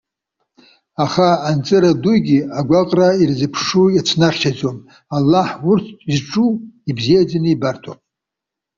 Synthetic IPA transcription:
aχaːnt͡sʼɨɾadujɡʲiaɡʷaqʼrairzɨpʰʂujat͡sʷʰnaχt͡ʃʰad͡zom | alːaħurtʰizʈ͡ʂʼuibzijad͡zanɨibartʰa̰pʼ

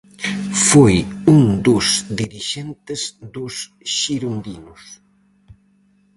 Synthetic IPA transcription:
fojuŋd̪ʊsd̪iɾiʃent̪ezd̪ʊs | ʃiɾund̪inʊs

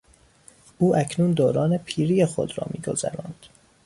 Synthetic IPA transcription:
ʔuːʔæcʰnuːnd̪oːɾɒːnepʰiːɾijexo̰d̪ɾɒ̰ːmiːɡo̞̰zæ̰ɾɒːnd̪̥

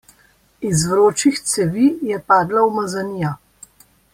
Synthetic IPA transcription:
izvɾoːt͡ʃixt̪sɛʋijɛpaːd̪lawmazanija

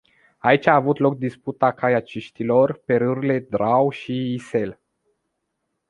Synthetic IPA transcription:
ait͡ʃʲaːvut̪lo̞k̚d̪isput̪akajat͡ʃiʃt̪ilo̞rpe̞ɾɨɾile̞d̪ɾawʃiːse̞l

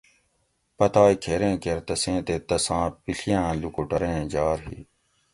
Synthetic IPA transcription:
pɐt̪aːikʰeːɾẽːkeɾt̪ɐsẽːt̪eːt̪ɐsãːpiɬijãːlukoʈəɾẽːd͡ʒaːɾɦḭː

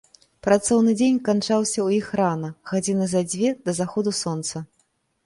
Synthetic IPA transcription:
pɾat̪sɔwnɨd͡zʲenʲkant͡ʂawsʲɐwjixranɐɣad͡zʲinɨzad͡zʲvʲɛd̪ɐzaxɔd̪usɔnt̪sɐ

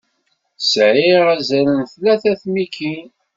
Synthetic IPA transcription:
sʕiʁæzæɾənθlæθæθmikːin

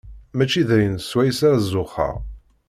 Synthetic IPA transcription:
mæt͡ʃːiðæjənswæjsaɾzːʊχə̰ʁ

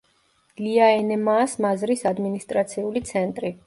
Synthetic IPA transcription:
liaɛnɛmaːsmazɾisad̪minist̪ʼɾat̪sʰiulit̪sʰɛnt̪ʼɾi

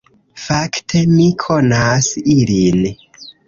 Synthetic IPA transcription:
faktʰe̞mikʰonasilin

